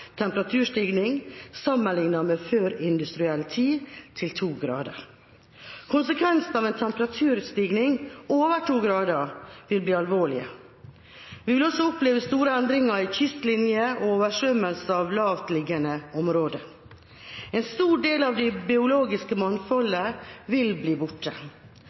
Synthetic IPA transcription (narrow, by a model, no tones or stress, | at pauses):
t̪ʰɛmpəɾɑt̪ʰʉːʂt̪iːɡnɪŋsɑmːənlɪŋnɑmeføːɾɪnd̪ʉst̪ɾɪɛlt̪ʰiːt̪ʰɪlt̪ʰuːɡɾɑ̰ːd̪ə̰ɾ | kʰʊnsəkʰʋɛnsn̩ɑːʋɛːnt̪ʰɛmpəɾɑt̪ʰʉːɾst̪iːɡnɪŋoːʋəʈʰuːɡɾɑːd̪əɾʋɪlbliːɑlʋoːɭɪ̰ə̰ | ʋɪʋɪlɔsːɔʊpleːʋəst̪uːɾəɛnd̪ɾɪŋɑɾɪçʏst̪lɪnjəʔooːʋəʂœmːəlsəɑʋlɑːʋt̪lɪɡənəɔmɾoːd̪ə | ɛnst̪uːɖeːlɑʋd̪ɪbɪʊloːɡɪskəmɑnfɔləʋɪlbliːbʊʈːə